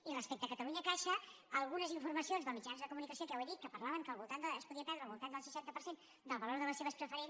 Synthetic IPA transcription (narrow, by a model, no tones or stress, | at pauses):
irəspek̚t̪əkət̪əluɲəkaʃə | əlˠɣunəziɱfuɾməsionzðəlˠmid͡ʒanzðəkumunikəsiokɛweðit̪kəpəɾlaβəŋkəlˠβulˠt̪and̪əːspuðiəpɛɾðɾəlβulˠt̪and̪əlˠsə̥ʃant̪əpəɾsen | d̪əlˠβəloɾðələseβəspɾəfəɾen